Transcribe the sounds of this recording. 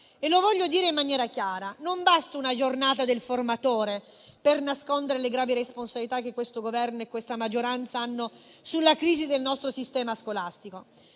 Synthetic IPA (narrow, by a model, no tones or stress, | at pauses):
elovɔʎːod̪iːɾeimːanjɛːɾakjaːɾanombast̪ounad͡ʒornaːt̪ad̪elformat̪oːɾe | pernaskond̪eɾeleɡɾaːviɾesponsabilit̪akːekːwest̪oɡovɛrnoekːwest̪amad͡ʒːoɾant̪saanːo | sulːakɾiːzid̪elnɔst̪ɾosist̪ɛːmaskolast̪iko